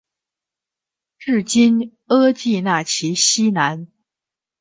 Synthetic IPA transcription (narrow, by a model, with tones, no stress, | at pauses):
ʈ͡ʂɻ̩˥˩t͡ɕi˥n | ɤ˥t͡ɕi˥˧na˥˩t͡ɕʰi˧˥ɕi˥na˧˥n